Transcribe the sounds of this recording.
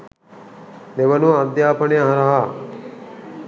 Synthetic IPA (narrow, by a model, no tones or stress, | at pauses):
neʋənuad̪jaːpɐneɦɐɾaɦa